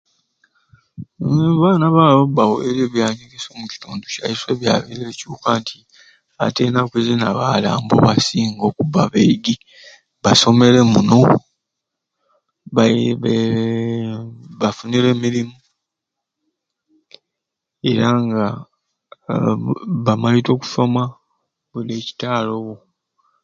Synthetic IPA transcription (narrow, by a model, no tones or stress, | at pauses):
βaːnaβaβobawoeɾeːβjaːɲiɡeso̞ːmuci̥tuːnduca̰jiswe̞ːβja̰ːβiɾecuːkaːntʰi | a̰teːnakwezinaβala̰ːmbo̰βasiːŋɡo̞kuβaβeɡi | βaso̞me̞le̞muno̞ | βaβe | βafuniɾe̞ːmiɾimu | e̞ɾaŋɡa | βamalito̞ːku̥so̞ma | βuleːci̥taːlo̞βo